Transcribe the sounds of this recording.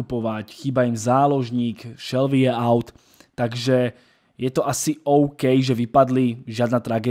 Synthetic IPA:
upɔʋacxiːbaimzaːlɔʒɲiːkʃɛlʋiɛaʊt̪ː | aɡʒɛ | jɛt̪ɔʔasiɔʊkɛjʒɛʋipad̪liʒɪad̪nat̪ɾaɡɛː

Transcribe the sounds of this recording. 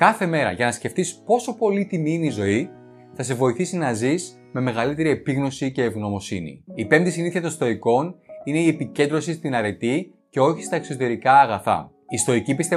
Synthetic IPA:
kɐθe̞me̞ɾɐ̰ʝɐnɐsce̞ft̪ispo̞so̞po̞lit̪imiineizo̞i | θɐse̞vo̞iθisinɐziz | me̞me̞ɣɐlit̪e̞ɾie̞piɣno̞sice̞ːvɣno̞mo̞sinḭipe̞md̪isiniθiɐt̪o̞nst̪o̞iko̞nine̞ie̞pice̞nd̪ɾo̞sist̪inɐɾe̞t̪i | ce̞o̞çi̥st̪ɐekso̞t̪e̞ɾikɐːɣɐθɐ̰ | ist̪o̞icipist̪e

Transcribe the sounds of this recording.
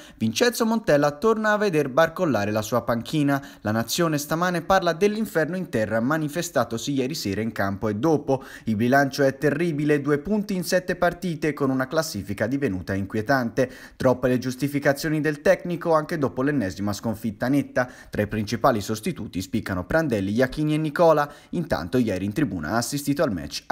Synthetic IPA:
vint͡ʃɛnt̪somont̪ɛlːat̪ornaːvːed̪erbarkolːaːɾelasuːapaŋkʰiːnalanat̪sːjoːnest̪amaːneparlad̪elːiɱfɛrnoint̪ɛrːamanifest̪aːt̪osijɛːɾisɛːɾaiŋkampoed̪ːoːpo | ilbilant͡ʃoɛt̪ːerːiːbiled̪uːepunt̪iːnsɛt̪ːepart̪iːt̪ekonunaklasːiːfikad̪ivenṵːt̪aiŋkwjet̪ant̪e | t̪ɾɔpːeled͡ʒust̪ifikat̪sːjoːnid̪elt̪ɛknikoaŋked̪oːpolenːɛzimaskoɱfit̪ːanet̪ːat̪ɾaipɾint͡ʃipaːlisost̪it̪uːt̪ispikːanopɾand̪ɛlːijakːiːnienːikɔːla | int̪a̰nt̪ojɛːɾiːnt̪ɾibṵːna̰aːsːist̪iːt̪oalmɛ̰t͡ʃː

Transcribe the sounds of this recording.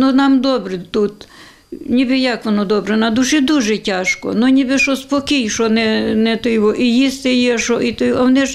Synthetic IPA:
nʊnɑmd̪ɔbɾɪt̪ut̪ | nʲibɪjɑkʋɔnɔd̪ɔbɾɛnɐd̪uʃɪd̪uʒɛtʲɑʃkɔ̰nʊnʲibɪʃɔspɔkʲijʃɔnɛnɛt̪ɪjʋɔʔijist̪ɪjɛʃɔit̪ɪjɐʋnɛʃ

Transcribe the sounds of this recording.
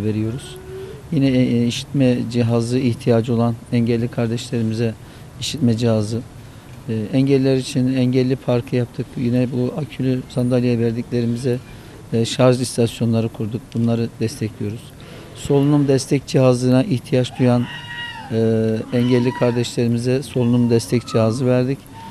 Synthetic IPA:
ve̞ɾijo̞ɾuz̥ | jinɛiʃi̥t̪mɛd͡ʒiɦazɯiçt̪ʰijad͡ʒo̞lˠanɛɲɟɛlʲːikʰaɾd̪ɛʃlʲe̞ɾimizɛ | iʃit̪̚mɛd͡ʒihazɯ | ɛɲɟɛlʲːɛɾit͡ʃʰinɛɲɟɛlʲːipʰaɾkʰɯjap̚t̪ʰɯkjinɛbuacʰylʲysand̪alʲijavɛɾd̪iclʲe̞ɾimizɛ | ʃaɾʒist̪ʰasjo̞nlˠaɾɯkʰuɾd̪uk̚bunlˠaɾɯd̪̥ɛst̪ʰɛclʲijo̞ɾuz̥ | so̞lˠunumd̪ɛst̪ʰɛc̚d͡ʒiɦazˠɯnaʔiçt̪ʰijat͡ʃd̪ujanː | ɛɲɟɛlʲːikʰaɾd̪ɛʃlʲe̞ɾimizɛso̞lˠunumd̪ɛst̪ʰɛcd͡ʒiɦazɯvæɾd̪ic

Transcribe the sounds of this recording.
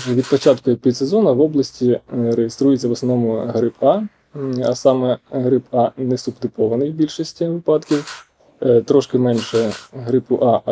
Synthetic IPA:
ʋʲid̪pɔt͡ʃɑt̪kʊpʲit̪sezɔnɐʋɔblˠɐsʲtʲiɾejest̪ɾujet͡sʲːɐʋɔsnɔnɔmʊɦɾɪpɑ | ɐsɑmɛɦɾɪpɑnɛsʊbd̪ɪpɔʋɐnɪjbʲilʲʃisʲtʲiʋɪpɑd̪kʲiw | t̪ɾɔʃkɪmɛnʲʃɛɦɾɪpʊʔɑ

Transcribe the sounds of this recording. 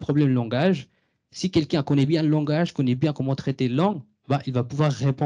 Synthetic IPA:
pχɔblɛmlɑ̃ɡaʒ | sikʲɛlkʲɛ̃kɔnɛbjɛ̃lɑ̃ɡaʒkɔnɛbjɛ̃kɔmɑ̃t̪χɛt̪elɑ̃ɡ | baʔilvapuvwaʁːepɔ̃

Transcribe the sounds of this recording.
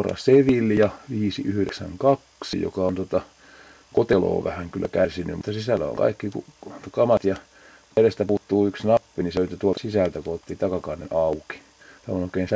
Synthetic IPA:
rɑ̰seʋilːjɑʋiːsiʔyhyɾeksæ̰ŋkɑksḭjo̰kɑont̪ot̪ɑ | kot̪elo̰ːʋæhæŋkylːæ̰kærsinːy̰mut̪ːɑsisælːæ̰o̰ŋkɑ̰ikːikukɑmɑt̪jɑ | ʋerest̪æpuːt̪ːuːyksnɑpːiniset̪ːæt̪uolt̪ɑsisælt̪ækohot̪ːiːt̪ɑkɑkɑnːḛnɑuki̥ | t̪æonoˑikeːns

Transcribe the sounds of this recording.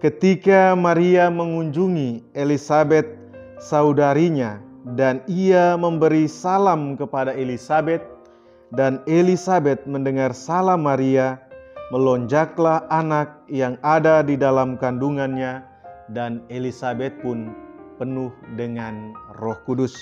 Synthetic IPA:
kət̪ikamaɾiaməŋuɲd͡ʒuŋielisabɛt̪̚ | saudaɾiɲadaniaməmbəɾisalamkəpadaelisabɛt̪̚ | danelisabɛt̪̚məndəŋarsalamːaɾiaməlɔɲd͡ʒaklahanak̚jaŋadadidalamkanduŋanɲa | danelisabɛt̪̚pʊnpənuhdəŋanrɔhkudʊs

